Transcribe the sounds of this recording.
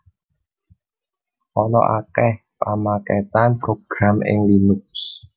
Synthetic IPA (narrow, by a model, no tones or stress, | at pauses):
ʔɔnɔ̰ʔakɛh | pamakɛt̪anpɾoɡ̥ɾamʔɪ̰ŋlinʊk̚s